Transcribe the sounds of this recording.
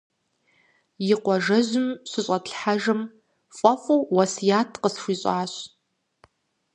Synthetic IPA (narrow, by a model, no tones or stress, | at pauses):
jɪqʷɔʒɐʑʊmɕɨɕʼɐtɬħaʒɨm | fʼɐfʼuːwɐsjaːtʰqəsxʷiːɕʼaːɕ